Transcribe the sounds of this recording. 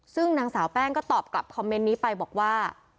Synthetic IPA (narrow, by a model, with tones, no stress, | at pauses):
sɯ˥˩ŋnaː˨˧˥ŋsaː˩˦wpɛː˥˩ŋkɔː˥˩t̪ɔː˨˩p̚kla̰˨˩p̚kʰɔ˧mːe˦˥nːiː˦˥pa˧jbɔː˨˩k̚waː˥˩